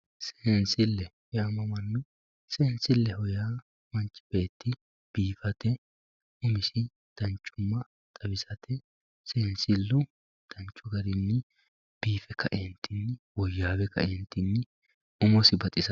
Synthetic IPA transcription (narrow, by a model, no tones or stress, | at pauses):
seːnsɪlːɛhɔjaːmɐmɐnːʊ | seːnsɪlːɛhɔjaː | mɐnt͡ʃʼːɪ̥be̞ːt̪ːɪ | b̥iːfɐt̪ɛ | ʊmɪsɪ | d̪̥ɐnt͡ʃʼːʊmːɐ | t̪ʼɐbɪsɐt̪ʰɛ | seːnsɪlːʊ | d̪̥ɐnt͡ʃʼːʊɡɐɾɪnːɪ | b̥iːfɛkʰːɐʔent̪ʰːɪnːɪwɔjːaːbɛkʰːɐ̰ʔent̪ːɪnːɪ | ʊmɔsɪbɐt̪ʼɪsɐ